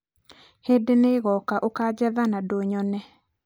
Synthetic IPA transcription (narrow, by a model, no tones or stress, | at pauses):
hedeneɣɔkaʔokad͡ʒɛðanadoɲɔnɛ